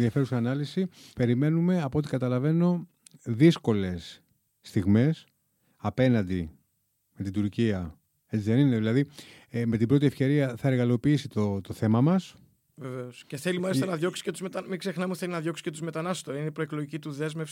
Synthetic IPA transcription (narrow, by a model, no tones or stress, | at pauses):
ðiɐfe̞ɾusɐːnɐlisipe̞ɾime̞nume̞ɐpot̪ikɐt̪ɐlɐve̞no̞ | ðisko̞le̞s | t̪iɣme̞s | ɐpe̞nɐnd̪i | me̞t̪id̪uɾciɐ | e̞t͡siðe̞nineðilɐði | me̞t̪ibɾo̞t̪ie̞fce̞ɾiɐθɐeɾɣɐlo̞piisit̪ot̪o̞θe̞mɐmɐs | veveosceθe̞limɐlist̪ɐnɐðʝo̞ksi̥cet̪uzmet̪ɐmiɡse̞xnɐmuθelinɐðʝo̞ksi̥cet̪uzmet̪ɐnɐst̪oinepɾoekloʝicit̪uðe̞zmefsi